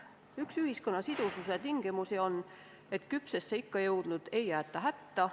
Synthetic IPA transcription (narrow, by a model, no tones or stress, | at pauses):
yksyhisko̞nːɑsid̪̥ususe̞t̪iŋɡ̥imusio̞nː | e̞t̪kypsesːeikːɑjɤwd̪̥nud̪̥e̞jæːt̪ːˑɑɦæt̪ːɑ